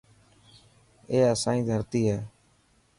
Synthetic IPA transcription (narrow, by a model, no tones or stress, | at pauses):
eːəsãːĩːd̪ʱəɾt̪iːɦɛː